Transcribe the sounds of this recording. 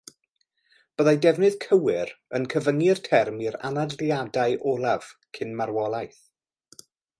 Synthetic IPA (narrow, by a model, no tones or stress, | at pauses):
b̥əðajdɛvnɨð̥kʰəwɪɾənkʰəvənɪr̥tʰɛrmiɾa̰nadljadajʔɔlˠav̥kʰɪnmarwɔlˠajθ